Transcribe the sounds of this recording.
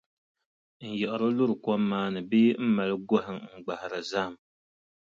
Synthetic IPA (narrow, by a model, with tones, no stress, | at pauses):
n̩˨jɛ˨ʔɪ˨ɾo˦lʊ˦ɾɨ˨kɔ˦mːaː˦nɨ˨beː˦m̩˦ma˨lɨ˦ɡɔ˦ɦɪ˨ŋŋ͡m̩˦ɡ͡ba˨hɪ˨ɾa˨za˦˨m